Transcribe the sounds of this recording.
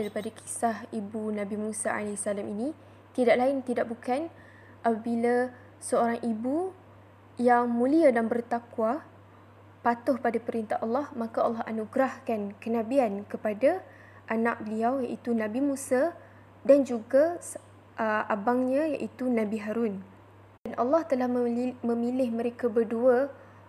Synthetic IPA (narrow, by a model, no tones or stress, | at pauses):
daɾipadakʰi̥sahibunãbimũsaa̰lasalaminĩ | t̪idaʔlaɪnt̪idaʔ̚bukan | ʔapabila | səoɾaŋʔibu | jaŋmũliadanbərt̪akwa | pat̪ʊhpadapəɾint̪aɦɑlːɑhmãkaɑlːɑɦa̰nuɡɾahkankənãbiankəpada | ʔanaʔ̚bəliawjaʔit̪unãbimũsa | dand͡ʒuɡa | ʔʔabaŋɲãja̰ʔit̪unabiɦaɾun | danʔalːɑht̪əlahmə̃milɪhmə̃ɾekabərdua